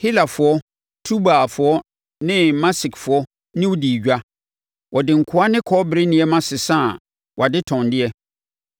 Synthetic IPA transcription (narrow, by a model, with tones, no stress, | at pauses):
hi˦la˨fʊ˨ɔ˦ | tʰu˦baː˨fʊ˨ɔ˦ | nɪ̃˦mã˦sɪ˨kfʊ˨ɔ˦ | nɪ̃˦wʊ˦di˨ɟᶣa˦ | wʔɔ˨dɪ̃˨ŋ̩˨kʰʊ˦a˦nɪ̃˦kʰɔ˦bɪ˨ɾɪ˦nɪ̃˨ɛ˦mã˦sɪ˨sã˦˨ | wʔa˨dɪ˦tʰɔ̃˨ndɪ˦ɛ˦